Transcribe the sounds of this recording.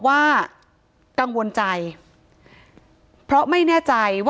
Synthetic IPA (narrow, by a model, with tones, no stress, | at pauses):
waː˥˩ | ka˧ŋwo˧nt͡ɕa˧j | pʰɾɔ˦˥ma˥˩jnɛː˥˩t͡ɕa˧jwa˥